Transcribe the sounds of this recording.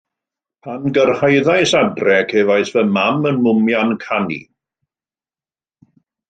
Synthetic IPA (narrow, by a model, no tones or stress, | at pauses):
pʰanɡərhajðajsadrɛkʰɛːvajsvɛmamənmʊmjankʰanḭ